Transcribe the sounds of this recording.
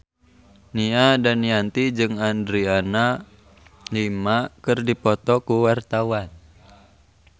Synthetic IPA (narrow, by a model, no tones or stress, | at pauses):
niadaniant̪id͡ʒɨŋandɾiana | limakɨrdipɔt̪ɔkuwart̪awan